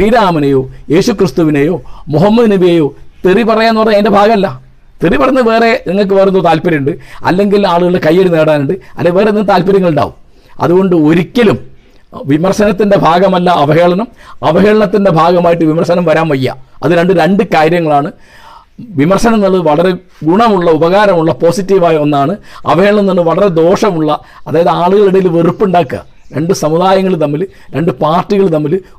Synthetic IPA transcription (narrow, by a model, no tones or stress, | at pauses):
iːðaːmɐnejo̞ːje̞ːɕukrɨst̪uʋinejo̞ːmoɦɐmːɐðɨniʋijejo̞ːt̪iripɐrɐjaːnːupɐrɐɲaendebʱaːɣɐmɐlːɐ | t̪iripɐrɐnːɨʋe̞ːre̞niŋːɐɭk̬ːɨʋɐrunːoːt̪aːlpɐɾɐjuɳɖɨɐ̰lːe̞ŋɡilaːɭuɣɐɭɽekɐjːeɽneːɽaːnuɳɖɨɐ̰lːeʋe̞ːrenːɐːt̪aːlpɐɾjɐŋːɐɭuɳɖa̰ːʋum | ɐ̰ðuɣo̞ɳɖɨo̞ɾikʲːɐlum | ʋimɐrɕɐnɐt̪ːinde̞bʱaːɡɐmɐlːɐʔɐʋɐɦeːɭɐnɐmɐʋɐɦeːɭɐɳɐt̪ːinde̞bʱaːɡɐmaːjiʈ̬ːɨʋimɐrɕɐnɐmʋɐɾaːnʋɐjːɐ̰ɐðɨɾe̞ɳɖɨɾe̞ɳɖɨkaːɾjɐŋːɐɭaːɳɨ | ʋimɐrʂɐnɐmnːɐɭːɐðɨʋɐɭɐɾe̞ | ɡuɳɐmuɭːɐubɐɣaːɾɐmuɭːɐpo̞ːsitːiʋaːjonːaːɳɨɐ̰ʋɐɦe̞ːɭɐɳɐnɐɳːɨʋɐɭɐɾe̞d̪o̞ːʂɐmuɭːɐ | ɐðaːjɐðɨaːɭuɣɐɭiɽɐjilʋeripːuɳɖaːkːa̰ː | ɾe̞ɳɖɨsɐmuðaːjɐŋːɐɭnɐmːil | ɾe̞ɳɖɨpaːrtːiɣɐɭnɐmːil